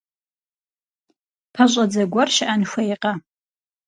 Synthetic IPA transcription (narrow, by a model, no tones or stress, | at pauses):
pʰɐɕʷʼɐd͡zɐɡʷɐrʃʔanxʷɐjqʼa